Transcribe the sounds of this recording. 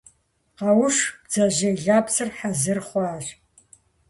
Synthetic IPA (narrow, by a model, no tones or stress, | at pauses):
qɐwʊʂb̥d͡zɐʑɐɮaːpsɨrħazɨrχʷɑːɕ